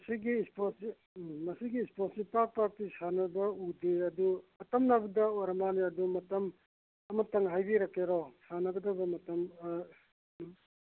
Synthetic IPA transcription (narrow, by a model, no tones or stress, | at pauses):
mɐsiɡisposi | mɐsiɡiːsposipak̚paɾ̚tisanɐbɐudeɐduɐtɐmnɐbɐdɐoɾɐmaniɐdumɐtɐm | ɐmɐtɐŋɦajbiɾɐkeɾɔsanɐɡɐdɐbɐmɐtɐm